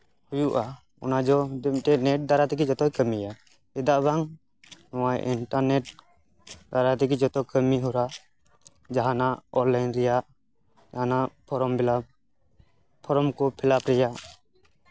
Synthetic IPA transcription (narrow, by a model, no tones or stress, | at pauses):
hujuʔa | ɔnad͡ʒɔd̪ɛmʈɛnɛʈ̚d̪aɾat̪ɛk̬id͡ʒɔt̪ɔjkəmija | ɛd̪aʔbaŋ | nɔwajʔiɳʈaɾnɛʈ̚ | d̪aɾat̪ɛk̬id͡ʒɔt̪ɔkəmiɦuɾaʔ | d͡ʒaɦanaʔɔɾlajnɾɛjaʔ | d͡ʒaɦanaʔpʰɔɾɔmbɛla | pʰɔɾɔmkɔpʰɛlapɾɛjaʔ